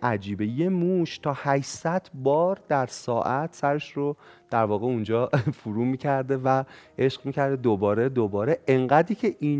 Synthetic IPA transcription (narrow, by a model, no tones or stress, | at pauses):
ʔæd͡ʒiːbeje̞muʃt̪ʰɒːhæʃsæd̪̥bɒːɾd̪æɾsɒːʔæt̪ʰsæɾe̞ʃɾo | d̪̥æɾvɒːɣeund͡ʒɒːfuɾuːmiːcʰæɾd̪e̞væʔe̞ʃɢmiːcæɾd̪ed̪obɒːɾe̞d̪obɒːɾeʔeŋɢæːd̪iːcʰe̞ʔiːn